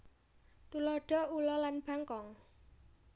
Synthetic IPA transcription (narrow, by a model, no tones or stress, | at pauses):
t̪ulɔɖ̥ɔ̤ulɔlanb̥a̤ŋkɔŋ